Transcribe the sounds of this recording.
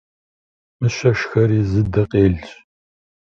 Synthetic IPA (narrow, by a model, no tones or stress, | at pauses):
mɨɕɐʂxɐɾiːzɨdɐqʼeːɮt͡ʃʼ